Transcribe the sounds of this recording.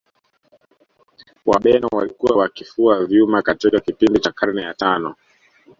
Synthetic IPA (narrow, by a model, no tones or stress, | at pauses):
waɓɛnɔwalikuwawakifuavjumakatikakipindit͡ʃakʰaɾnɛjatanɔ